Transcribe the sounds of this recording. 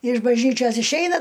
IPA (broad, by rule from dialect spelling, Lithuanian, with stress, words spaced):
ɪʃ bɐʒʲˈnʲiːt͡ʃʲoːs ɪʃʲˈɛɪnɐ